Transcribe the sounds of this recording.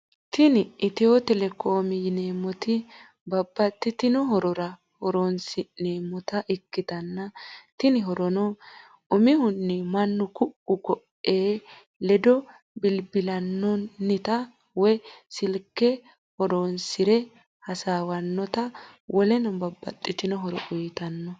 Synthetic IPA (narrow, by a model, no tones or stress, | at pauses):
t̪ɪnɪʔɪt̪ɪjot̪ɛlɛkoːmɪjne̞ːmːɔt̪ɪ | bɐbːɐt̪ːɪt̪ɪnɔɦɔɾɔɾɐ | hɔɾoːnsɪneːmːɔt̪ɐʔɪkːɪt̪ɐnːɐt̪ɪnɪɦɔɾɔnɔ | ʊmɪhʊnːɪmɐnːʊkʊʔʊkɔʔeː | lɛd̪ɔ | bɪlbɪlɐnːɔnːɪt̪ɐ | wɔjsɪlkːɛ | hɔɾoːnsɪɾɛ | hɐsaːwɐnːɔt̪ɐwʔɔlɛnɔbɐbːɐ̰t̪ʼːɪt̪ɪnɔɦɔɾɔ̰ʔʊjt̪ɐnːɔ